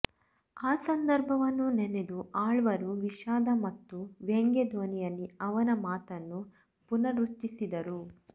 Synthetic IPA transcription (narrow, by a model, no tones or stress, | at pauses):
aːsɐnd̪ɐɾbʱɐʋɐnːunened̪uʔaːɭʋɐɾuʋiʃaːd̪ɐmɐt̪ːuʋeŋɡed̪ʱoːnijɐlːiɐʋɐnɐmaːt̪ɐnːu | punɐɾuʈːisid̪ɐɾu